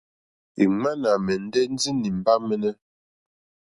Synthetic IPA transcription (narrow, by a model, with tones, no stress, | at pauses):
i˨ŋa˦na˨mɛ˨n̩˦dɛ˦n̩˦d͡zi˦ni˨m̩˨ba˦mɛ˦nɛ˦